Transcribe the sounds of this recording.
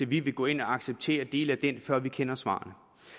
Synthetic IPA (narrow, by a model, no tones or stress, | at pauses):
eʋiʋe̝ɡ̥ɔ̰ːe̝nɒɑ̈ɡ̥seb̥̚t͡sʰe̝̰ːɐd̥e̝̰ːləæd̥en̰fɶɐ̰ʋikʰenɐsʋɑ̰̈ːɐnə